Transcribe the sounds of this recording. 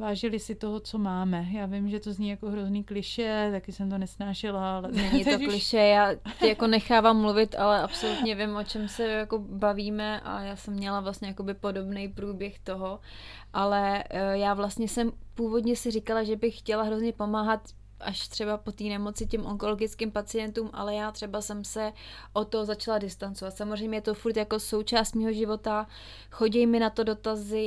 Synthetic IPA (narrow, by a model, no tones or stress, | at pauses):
vaːʒɪlɪsɪt̪oɦot͡somaːmɛjaːvɪmʒɛt̪ozɲijakoɦɾozniːklɪʃɛt̪akɪsɛmt̪onɛsnaːʃɪlalɛnɛɲɪt̪oklɪʃɛjaːcɪjako̞nɛxaːvamːluvɪt̪a̰lɛʔapso̞lut̪ɲɛvɪmʔo̞t͡ʃɛmsɛjako̞baviːmɛʔa̰jaːsɛmːɲɛlavlastɲɛjako̞bɪpo̞do̞bnɛjpɾuːbjɛxt̪o̞ɦo̞ | ʔalɛjaːvlast̪ɲɛsɛmpuːvo̞dɲɛsɪrɪkalaʒɛbɪxːcɛlaɦɾo̞zɲɛpo̞maːɦat̪ | ʔaʃt̪r̥ɛbapo̞t̪iːnɛmo̞t͡sɪcɛmʔo̞ŋko̞lo̞ɡɪt͡skɪmpat͡sɪjɛnt̪uːmʔa̰lɛjaːt̪r̥ɛbasɛmsɛ | ʔot̪ːozat͡ʃaladɪst̪ant͡sovat̪samozr̝ɛjmɲɛjɛt̪ofuɾt̪jako̞so̞wt͡ʃaːst̪miːɦo̞ʒɪvo̞t̪a | xo̞ɟɛjmɪnat̪o̞do̞t̪azɪ